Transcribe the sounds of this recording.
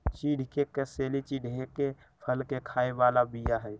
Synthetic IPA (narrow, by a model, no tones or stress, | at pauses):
t͡ʃiːɽ̤ʱkekeseːlit͡ʃiːɖʱɦeke | pʰəlkekʰaːeʋaːlabijaɦɛː